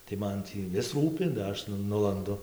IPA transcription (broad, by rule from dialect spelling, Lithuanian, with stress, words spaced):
tɐɪ ˈmɐn tʲiː ˈʋʲɪs ˈruːpʲɪ dɐ ˈɐʃ nʊ ˈnʊlˠɐndʊ